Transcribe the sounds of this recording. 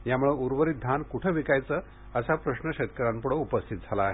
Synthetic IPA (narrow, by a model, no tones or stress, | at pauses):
jamuɭeuɾʋəɾit̪̚d̪ʱankuʈʰəʋikajt͡səː | əsapɾəɕnəkɕet̪kəɾampəɽoupəst̪ʰit̪̚d͡zʱalaːɦe